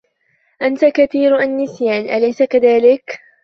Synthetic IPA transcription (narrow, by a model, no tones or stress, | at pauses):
ʔant̪akaθiːɾʔanːɪsjaːnʔalajsakaðaːlɪk